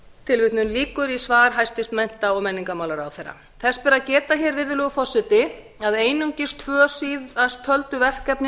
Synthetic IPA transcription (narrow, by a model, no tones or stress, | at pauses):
t̪ʰɪlvɪt̪nʏnliːkʏɾisvaːɾ̥ɦajst̪ɪst̪mɛn̥t̪aɔmɛnːiŋkamawlaɾawθejɾːa̰ | θɛspɛɾacɛːt̪açɛɾvɪɾðʏlɛːɣʏfɔ̥sːɪt̪ɪ | aðeːjnuɲcɪst̪ʰvœːsiːðast̪ʰœlt̪ʏvɛr̥kɛpnɪ